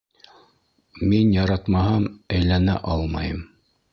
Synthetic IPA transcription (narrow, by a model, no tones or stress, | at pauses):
minjɑɾɑt̪mɑhɑmæjlænæ̰ʔɑlˠmɑjɤm